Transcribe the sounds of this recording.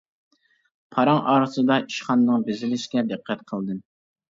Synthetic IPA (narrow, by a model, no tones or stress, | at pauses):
pʰɑɾɑŋɑːɾɨsɨd̪ɑʔiʃχɑnːɨŋbɪzɪlɪʃkʲɛd̪ɨqʰːɛt̪̚qʰəlˠd̪ɨ